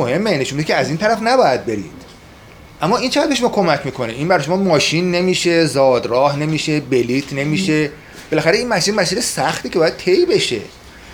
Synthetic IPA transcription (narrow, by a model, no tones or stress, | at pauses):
ohe̞mːene̞ʃunmbid̪ecʰeæziːnt̪ʰæɾæfnæbɒːjæd̪̚be̞ɾḭːd̪̥ | ʔæmːɒːint͡ʃʰeæd̪̚beʃomɔːkʰo̞mæcʰmiːkʰo̞neʔinbæɾɒjʃomɒːmɒːʃinːemiːʃezɒːd̪ɾɒːhne̞miːʃe̞beliːt̪ʰne̞miːʃe | b̥e̞læxæɾeiːnmæsinmæsiːlesæxt̪iːceɒːjæd̪̚t̪ʰe̞jbe̞ʃḛ